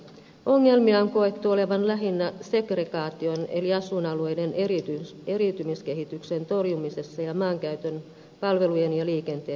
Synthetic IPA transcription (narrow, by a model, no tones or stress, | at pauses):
o̞ŋːe̞lmiɑŋko̞et̪ːuo̞le̞ʋɑnlæɦinːæse̞ɡre̞ɡɑːt̪io̞nḛliɑsunɑluejde̞nerit̪y | e̞ɾit̪ymiske̞ɦit̪ykse̞nt̪o̞rjumise̞sːɑjɑmɑːŋkæyt̪øn | pɑlʋe̞luje̞njɑliːke̞nt̪eː